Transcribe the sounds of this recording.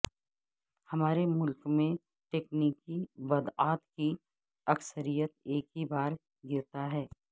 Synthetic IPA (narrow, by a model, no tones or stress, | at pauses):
hɐmaːɾemʊlkmẽ | ʈeːkniːkibɐd̪aːt̪ki | ɐksəɾijət̪̚eːkɦibaːɾ | ɡɪɾt̪aɦɛː